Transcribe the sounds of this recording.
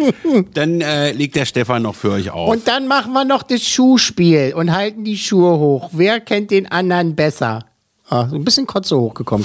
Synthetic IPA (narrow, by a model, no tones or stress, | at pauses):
d̥anɛːleːk̚td̥eːɐʃtɛfanːɔχfyːɐɔʏça̰ʊʊnt̚d̥anmaχn̩viːɐnɔχd̥asʃuːʃpiːlʊnthaltn̩diːʃuːəɦoːxveːɐkʰɛnt̚d̥eːnʔandɐʁnbɛsɐ̰ | azoːnbɪsçənkʰɔt͡sohoːxɡ̥əkʰɔmə